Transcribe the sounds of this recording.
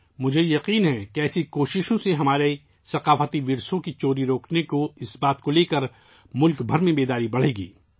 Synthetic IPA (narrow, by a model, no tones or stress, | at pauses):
mʊd͡ʒʱejɐqiːnɦɛkeɛːsikoːʃɪʃõseɦɐmaːɾe | sɐqaːfət̪iʋɪɾsõkit͡ʃoːɾiɾoːknekoɪsbaːt̪koleːkɐɾ | mʊlkbʱɐɾmẽbeːd̪aːɾibɐɽ̤eːɡḭː